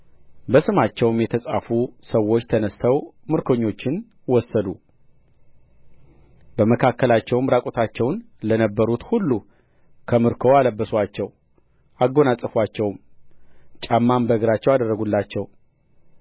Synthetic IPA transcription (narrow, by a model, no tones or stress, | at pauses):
bəsɨmat͡ʃːɛwmjɛt̪ʰəsʼafusəwːo̞t͡ʃːt̪ʰənəst̪ʰəwmɨɾkʰo̞ɲːo̞t͡ʃːɪn | wɔsːəd̪u | bəməkʰakːəlat͡ʃːɛwmɾakʼot̪ʰat͡ʃːɛwn | lənəbːəɾut̪hulːu | kʰəmɨɾkʰo̞aləbːəswat͡ʃːɛw | ʔaɡːo̞nasʼɨfwat͡ʃːɛwm | t͡ʃʼamːambəɡɨɾat͡ʃːɛwad̪ərːəɡulːat͡ʃːɛw